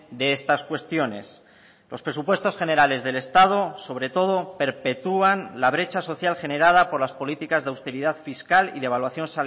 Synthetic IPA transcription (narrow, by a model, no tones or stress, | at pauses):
d̪e̞est̪askwe̞st̪jo̞ne̞̰s | lo̞spɾe̞supwe̞st̪o̞sχe̞ne̞ɾale̞zðe̞le̞st̪að̞o̞so̞β̞ɾe̞t̪o̞ð̞o̞pe̞ɾpe̞t̪uanlaβ̞ɾe̞t͡ʃaso̞θjalxe̞ne̞ɾað̞apo̞ɾlaspo̞lit̪ikazðawst̪e̞ɾiðaðfiskalḭðe̞β̞alwaθjo̞nsal